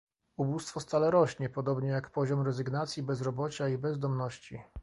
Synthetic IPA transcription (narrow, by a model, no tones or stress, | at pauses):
ubust̪fɔst̪alɛɾɔɕɲɛpɔd̪ɔbɲɛjakpɔʑɔmɾɛzɘɡnat̪sʲjibɛzɾɔbɔt͡ɕaibɛzd̪ɔmnɔɕt͡ɕi